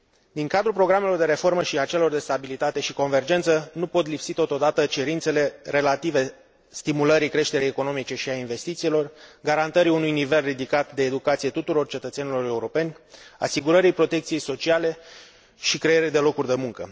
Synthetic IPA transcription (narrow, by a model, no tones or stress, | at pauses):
d̪iŋkad̪ɾupɾo̞ɡɾame̞lo̞rd̪e̞ɾe̞fo̞rməʃiat͡ʃe̞lo̞rd̪e̞st̪abilit̪at̪e̞ʃiko̞nve̞rd͡ʒe̞nt̪sənupo̞t̪lipsit̪o̞t̪o̞d̪at̪ət͡ʃe̞ɾint̪se̞le̞ɾe̞lat̪ive̞ | st̪imuləɾikɾe̞ʃt̪e̞ɾejeko̞no̞mit͡ʃe̞ʃiainve̞st̪it̪silo̞rɡaɾant̪əɾiunujnive̞lrid̪ikat̪d̪e̞ːd̪ukat̪sije̞t̪ut̪uɾo̞rt͡ʃe̞t̪ət̪senilo̞ɾe̞uɾo̞pe̞nʲa̰siɡuɾəɾijpɾo̞t̪ekt̪sije̞jso̞t͡ʃiale̞ | ʃikɾe̞jeɾejd̪e̞lo̞kurʲd̪e̞muŋkə